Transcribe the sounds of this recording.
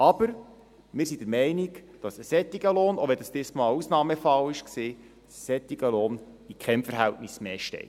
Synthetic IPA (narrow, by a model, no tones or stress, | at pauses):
ɑb̥əɾ | mɪːɾsid̥əɾmɛɪnikd̥ɑsəsɛt̪ːiɡəloːnɔʋɛd̥ɑst̪ɪsmɑusnɑːməfɑlɪʃksiː | ssɛt̪iɡəloːn | ikʰɛmfəɾɦæltnɪsmɛʃtɛ̰ɪt